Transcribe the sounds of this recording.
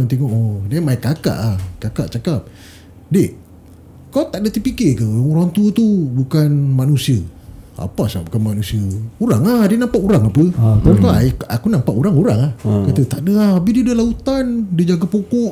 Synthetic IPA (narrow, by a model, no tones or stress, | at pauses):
nt̪eŋɔʔdiamaikaka̰ʔahkakaʔt͡ʃakap̚ | de | kawt̪aʔdət̪ipikekəɾaŋuɾaŋt̪ut̪ubukanmanusiəa̰pasabukanmanusiəuɾaŋahdənampaʔuɾaŋapət̪amkaaakunampaʔuɾaŋuɾaŋahkat̪ət̪aʔdəahabidiədəlaut̪andid͡ʒaɡapokɔʔ